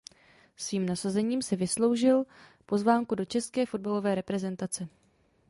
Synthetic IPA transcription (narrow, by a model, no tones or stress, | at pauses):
sviːmnasazɛɲiːmsɪvɪslo̞wʒɪlpo̞zvaːŋkudo̞t͡ʃɛskɛːfo̞d̚balo̞vɛːɾɛpɾɛzɛnt̪at͡sɛ